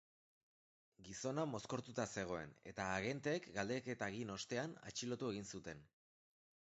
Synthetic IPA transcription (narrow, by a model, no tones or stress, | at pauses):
ɡiso̞namo̞sko̞ɾt̪ut̪ase̞ɣ̞o̞e̞̰ne̞̰t̪aːɣ̞e̞nt̪e̞ːkɡald̪eke̞t̪aɣino̞st̪e̞ana̰t͡ʃilo̞t̪ue̞ɣ̞insut̪e̞n